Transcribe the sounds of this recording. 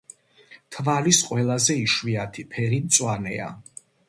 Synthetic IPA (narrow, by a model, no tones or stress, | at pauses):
t̪ʰvalisqʼwɛlˠazɛiʃwiat̪ʰipʰɛɾimt̪sʼwanɛa̰